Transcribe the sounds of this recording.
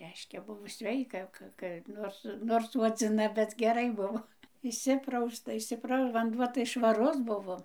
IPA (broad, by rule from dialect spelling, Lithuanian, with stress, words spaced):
ˈrʲɛɪʃʲkʲɛ ˈbʊʋoː ˈsʲʋʲɛɪkɐ ˈkɐ kɐ ˈnoːrs noːrs suɔd͡zʲɪˈnɐ bʲɛt ɡʲɛˈrɐɪ ˈbʊʋoː ɪʃʲˈsʲɪprɐʊstɐ ɪʃʲsʲɪˈprɐʊ ʋɐnˈduɔ tɐɪ ʃʋɐˈrʊs ˈbʊʋoː